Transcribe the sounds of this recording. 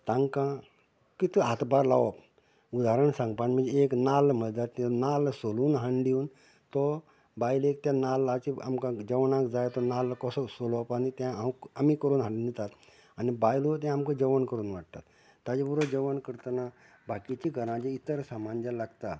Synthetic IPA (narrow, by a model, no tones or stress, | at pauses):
t̪ãŋɡkã | kit̪iat̪baɾlaʋɔp | ud̪aɾəɳsãŋɡpanim̤ə̃d͡zeeknalm̤əɭd̪at̪ːinalsoluːnɦaɳɖiuːn | t̪ɔ | bajlek̚t̪jãnalakia̰mkãd͡ʑəʋnãkd͡zajt̪ɔnalkɔsɔsolɔpanit̪jãawkamikəɾuːnɦãɳːnd̪it̪at̪ | anibajlot̪̬jãamkəd͡ʑəʋənkəɾuːnʋaʈ̚t̪at̪ː | ad͡ʑibuɾod͡ʑəʋənkəɾt̪əna | bʱakit͡ɕiɡʱəɾãd͡ʑeit̪əɾsamand͡ʑalaɡt̪at̪